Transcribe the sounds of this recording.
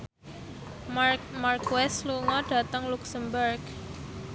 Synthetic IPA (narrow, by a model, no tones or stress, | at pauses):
markwɛsluŋɔɖa̤t̪əŋluksəmbərɡ